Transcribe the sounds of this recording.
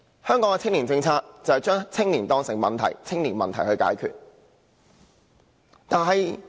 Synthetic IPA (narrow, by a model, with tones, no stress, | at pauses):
hœː˥ŋkɔː˨˥ŋɛ˧t͡sʰɪ˥ŋliː˨˩t͡sɪ˧ŋt͡sʰaː˧k̚t͡sɐ˨whɐ˨jt͡ʃœː˥ŋt͡sʰɪ˥ŋliː˨˩nt̪ɔː˧ŋsɪ˨˩ŋmɐ˨˩nt̪ʰɐ̰˨˩jt͡sʰɪ˥ŋliː˨˩nmɐ˨nt̪ʰɐ˨˩jhɵ˧ɥka̰ː˨˥jkʰy̰ː˨t̚ | t̪aː˨nɦɐ˨j